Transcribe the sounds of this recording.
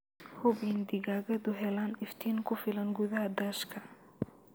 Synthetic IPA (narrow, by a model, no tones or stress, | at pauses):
hʊβind̪ɪɣaːɣɐðʊɦɛlaːnɪft̪ʰiːnkʰʊfɪlɐnɡʊðɐɦɐd̪ɐːʃkʰɐ